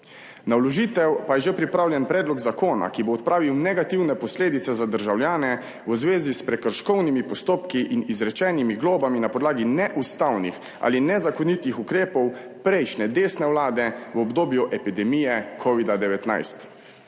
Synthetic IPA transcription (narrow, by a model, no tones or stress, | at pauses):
nalɔʒiːt̪ɛwpajɛʒepɾipɾaːwljɛnpɾɛːd̪lɔɡzakoːna̰kiboːt̪̚pɾaːʋiwnɛɡat̪iwnɛpɔsleːd̪it̪sɛzad̪əɾʒawljaːnɛ | wəzʋeːzispɾɛkəɾʃkɔwnimipɔst̪oːpkiʔinizɾɛt͡ʃɛːnimiɡloːbaminapɔd̪laːɡinɛʔust̪awnix | a̰ːlinɛzakɔnit̪ixukɾeːpɔw | pɾɛjʃnɛd̪eːsnɛwlaːd̪ɛwɔbd̪oːbjuʔɛpid̪ɛmijɛkʰɔʋid̪ad̪ɛʋɛt̪na̰jst̪